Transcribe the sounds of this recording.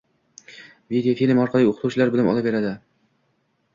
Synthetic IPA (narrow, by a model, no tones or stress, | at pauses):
vid̪eofilʲmɒɾqʰɑlˠijot̪uwt͡ʃʰɪlaɾbɪlɪmɒ̰lapbe̞ɾad̪ɪ